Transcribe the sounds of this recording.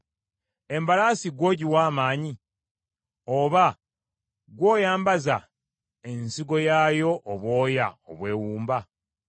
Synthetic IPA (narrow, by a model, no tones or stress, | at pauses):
e̞mbalaːsiɡwo̞ːɟiwaːmaːɲi | o̞βa | ɡwo̞ːjaːmbaza | ensiɡo̞jaːjo̞ʔːβwo̞ːja̰o̰βwe̞ːwuːmba